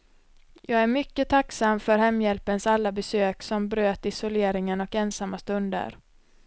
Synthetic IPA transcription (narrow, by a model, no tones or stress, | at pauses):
jʔɑːɡæɾmʏkːət̪ʰaksamfœɾhɛmːjɛlpənsalːabɛsøːksɔmbɾøːt̪ɪsʊleːɾɪŋənɔkɛnsamːast̪ɵnd̪ə̰ɾ